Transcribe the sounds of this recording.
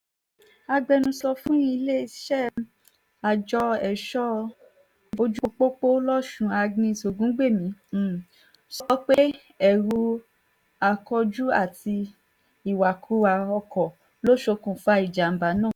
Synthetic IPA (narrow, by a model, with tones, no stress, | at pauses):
a˧ɡ͡bɛ˧nũ˧sɔ˧fũ˦i˦˧le˦˨ʃɛ˦ | a˨d͡ʒɔ˧ɛ˨ʃɔ˦ | o˧d͡ʒu˦k͡po˦k͡po˦lɔ˦ʃũ˧a˧ɡnĩ˧˨so˨ɡũ˦ɡ͡be˦˨mĩ˨˦˨ | sɔɔ˧˦k͡pe˦ | ɛ˦˨ɾu˧ | a˧kɔ˧d͡ʒu˦a˦˨ti˧ | i˦˨wa˨kʰu˨˦a˧ɔ˧kɔ˨ | lo˦ʃo˧kũ˨fa˧i˨d͡ʒa˨m̩˨˦ba˨˦nãː˦˨